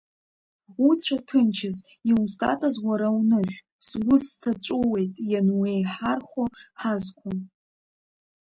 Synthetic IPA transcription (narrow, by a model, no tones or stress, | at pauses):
ut͡sʷʰatʰɨnt͡ʃʰɪz | iwztʼa̰tʼazwaɾawnɨʒʷᶣ | sɡʷʊstʰat͡ʃʷʼowe̞jtʼjanwejħarχʷoħazkʷʰʊm